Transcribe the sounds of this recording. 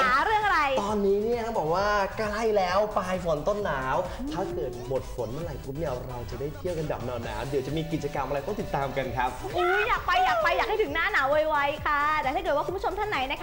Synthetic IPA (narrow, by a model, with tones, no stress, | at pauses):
aa˥˦˥ɾɯ˥˩əŋʔa˧ɾa˧jt̪ɔː˧nːiː˦˥ni˥˩ɐkʰa˥˩bɔː˨˩k̚waː˥˩ka˥˩jlɛː˦˥wpaː˧jfo˨˩˦nt̪o˥˩nːaː˩˦wt̪ʰaː˥˩kɤː˨˩t̪̚bo˨˩t̪̚fo˩˦nma˥˩ɾa˨˩jpʰuː˦˥p̚ni˥˩ɐɾa˧wt͡ɕa˨˩daː˥˩jt̪ʰi˥˩əwka˧nda̰ː˨˩p̚nɔː˧nːa̰ː˩˦wdi˨˩˦wt͡ɕa˨˩miː˧ki˨˩t͡ɕa˧ka˧mʔa˧ɾa˧jt̪ɔ˥˩t̪i˨˩t̪ːaː˧mka˧nkʰa˦˥p̚ʔɯː˧˦jaː˨˩k̚pa˧jːaː˨˩pa˧jːaː˨˩k̚ha˥˩jtʰɯ˩˦ŋnaː˥˩naː˩˦wa˧jwa˦˥jkʰa˥˩d̪ɛː˨˩t̪a˥˩kːt̚wku˧pʰo˧mt̪ʰa˥˩na˩˦jna˦˥kʰa˥